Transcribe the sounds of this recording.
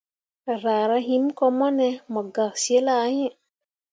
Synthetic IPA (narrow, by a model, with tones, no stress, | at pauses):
ɾa˨ɾa˦ɦi˦mko˦mɔ˦ne˦mɔ˨ɡa˨ksi˦e˦la˦˨˦je˦˨